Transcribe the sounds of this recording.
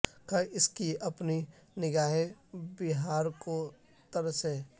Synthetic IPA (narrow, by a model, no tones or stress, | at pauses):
kaɪskiɐpni | nɪɡaːɦebɪɦaːɾko | t̪əɾəsɦɛ